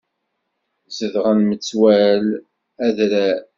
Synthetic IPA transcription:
zəðʁənmət͡sːwæl | æðɾæ

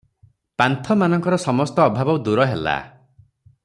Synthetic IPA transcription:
pant̪ʰɔmanɔŋkɔɾɔsɔmɔst̪ɔːbʱabɔwd̪uɾɔɦela̰

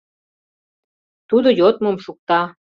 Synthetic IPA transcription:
t̪ud̪ojot̪̚momʃuk̚t̪ɑ

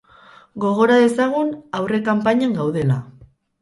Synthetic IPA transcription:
ɡo̞ɣ̞o̞ɾaðe̞saɣ̞unawre̞kampaɲeŋɡawð̞e̞la

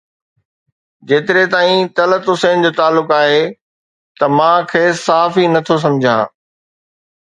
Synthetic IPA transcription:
d͡ʑeːt̪ɪɾet̪aːĩt̪ɐlət̪ʊseːnd͡ʑoːt̪aːlːʊkaːɦe | t̪ɐmãkʰeːsaɦaːfinɐt̪ʰos̬ɐ̃md͡ʑʱã̰ː

